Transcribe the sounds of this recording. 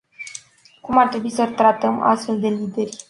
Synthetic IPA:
kumart̪ɾe̞buisət̪ɾat̪əma̰st̪fe̞ld̪e̞lid̪e̞rʲ

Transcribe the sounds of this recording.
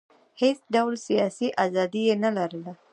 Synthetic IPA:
hesɖawlsijɑsiʔazɑd̪ijenalaɾəla

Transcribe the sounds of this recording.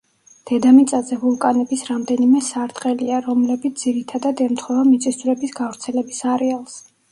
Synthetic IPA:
d̪̥ɛd̪amit̪sʼazɛvulˠkʼanɛbisɾamd̪ɛnimɛsaɾt̪ʼqʼɛliaɾɔmlɛbit̪ʰd̪iɾit̪ʰad̪ad̪ɛmt̪ʰχɔvamit̪sʼisɾɛbisɡavɾt̪sʰɛlɛbisaɾɛalˠs

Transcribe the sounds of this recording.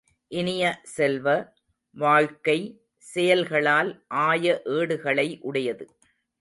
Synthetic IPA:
ʔɪnɪjɐsɛlʋɐ | ʋaːɻkɐɪ | sɛjɐlɣɐɭaːlʔaːjɐʔeːɽɯɣɐɭɐɪʔʊɽɐjɐðɯ

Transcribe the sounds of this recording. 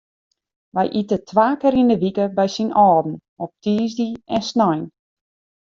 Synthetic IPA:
ʋɛ̰jʔitətʰʋaːkɪɾindəʋikəbɛjsinɔːdn̩ | ɔp̚tʰiːzdiɛnsnɔjn

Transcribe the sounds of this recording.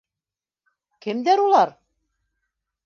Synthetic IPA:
kɘ̆md̪æɾulˠɑɾ

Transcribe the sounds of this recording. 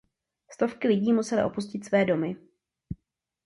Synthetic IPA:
st̪o̞fkɪlɪɟiːmusɛlɪ̰ʔo̞puscɪt̪svɛːdo̞mɪ

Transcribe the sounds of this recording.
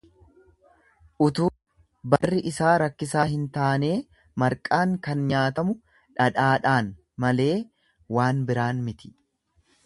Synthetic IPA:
ʔʊt̪uː | bɐrːɪʔɪsaːɾɐkːɪsaːɦɪnt̪aːne̞ː | mɐɾkʼaːŋkɐnɲaːt̪ɐmʊ | ᶑɐᶑaːᶑaːn | mɐle̞ː | waːnbɪɾaːnmɪt̪ɪ̥

